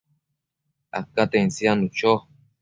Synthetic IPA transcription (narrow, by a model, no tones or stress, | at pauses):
a̰kat̪ensianut͡ʃo